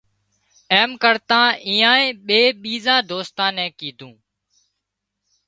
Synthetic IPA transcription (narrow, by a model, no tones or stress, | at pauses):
eːmkəɾt̪ãːʔĩːãːẽːɓeːɓiːzãːd̪oːst̪ãːnɛ̃ːkiːd̪ʱũː